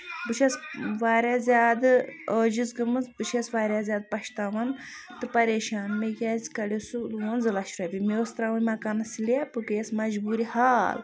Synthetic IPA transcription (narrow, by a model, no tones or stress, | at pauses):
bɨʃʰɐsʋaːɾʲaːzʲaːd̪ɨəːd͡ʒizɡɨmɨzbɨʃʰɐsʋaːɾʲaːzʲaːd̪̚pɐʃt̪aːʋɐn | t̪ɨpɐɾeːʃaːnmekʲaːzʲkɐlʲesuluonzɨlɐʃɾɐbʲimeost̪ɾaːʋumakɐnɐsilapɨkejsmɐd͡ʒbuːɾihaːl